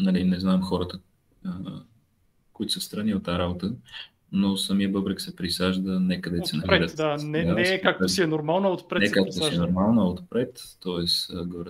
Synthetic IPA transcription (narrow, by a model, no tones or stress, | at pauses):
nɐlinɛznamxɔɾət̪ə | ə | koit̪ʊsəst̪ɾɐniot̪t̪ːaɾabot̪ə | nosɐmiəbɤbɾɛksɛpɾisaʒd̪ənɛkəd̪ɛsɛnɐvɾɛɾət̪d̪anɛɛkak̚tʊsiɛnoɾmalˠnəot̪̚pɾɛnɛkak̚t̪osɛnoɾmalˠnəot̪pɾɛt̪ːɔɛsəɡoɾ